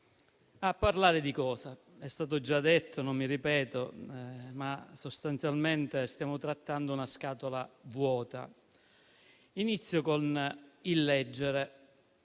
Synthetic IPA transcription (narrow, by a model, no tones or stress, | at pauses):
apːaɾlaːɾed̪ikɔːsa | ɛst̪aːt̪̬od͡ʒad̪et̪ʰːonomːiripɛːt̪o | masost̪ant̪sjalment̪est̪jaːmot̪ɾat̪ːand̪ounaskaːt̪olavwɔːt̪a̰ | init̪sːjokonilːɛd͡ʒːeɾe